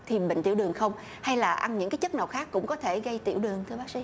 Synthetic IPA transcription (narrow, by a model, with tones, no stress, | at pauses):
t̪ʰi˨˩ɓḭ˧˨ŋ̟t̪i˧˩wɗɨ˨˩əŋxə˧wŋ͡m | ha˧jlaː˨˩ʔa˧nɲɨ̰˧˥ŋkaː˨˦jt͡ɕə˦˥t̚naə˨˩k͡p̚xaː˦˥kːʊ̰˧˥ŋ͡mkɔ˨˦t̪ʰe˧˩ɣə˧jt̪i˧˩əwɗɨ˨˩əŋt̪ʰɨ˧ɓaː˦˥k̚sḭ˧˥